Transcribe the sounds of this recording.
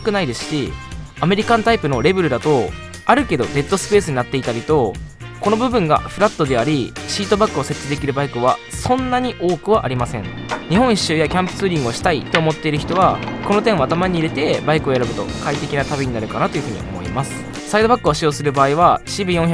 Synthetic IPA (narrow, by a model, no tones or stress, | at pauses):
kɯ̟naid̪e̞sɨ̥ɕi | ame̞ɾʲikãnt̪aipɯ̟no̞ɾe̞bɯ̟ɾɯ̟d̪at̪o̞ | aɾɯ̟ke̞d̪o̞d̪e̞t̪ːo̞sɨ̥pe̞ːsɨɲ̟inat̪ːe̞it̪aɾʲit̪o̞ | ko̞no̞bɯ̟bɯ̟̃ŋɡa̰ɸɯ̟ɾat̪ːo̞d̪e̞aɾʲiɕiːt̪o̞bakːɯose̞t̪ːsɨd̪e̞kʲiɾɯ̟baikɯ̟βasõ̞nːaɲ̟iʔo̞ːkɯ̟β̞aʔaɾʲimasẽ̞ɴ | ɲ̟iɦõ̞ɰ̃i̥ɕːɨːjakʲãmpɯ̟̥t͡sɨːɾʲĩŋɡɯoɕi̥t̪ait̪o̞ːmo̞t̪ːe̞iɾɯ̟çi̥t̪o̞β̞ako̞no̞t̪ẽɰ̃at̪amaɲ̟iːɾe̞t̪e̞baikɯ̟ojaɾɯbɯ̟t̪o̞̰kait̪e̞kʲinat̪abʲiɲ̟inaɾɯ̟kanat̪o̞jɯ̟ɸɯ̟ɲ̟ḭʔo̞̰mo̞̰ḭmasɨ̥ | said̪o̞bakːɯ̟oɕijo̞ːsɨɾɯ̟baːiβaɕibɯ̟jõ̞ɰ̃ç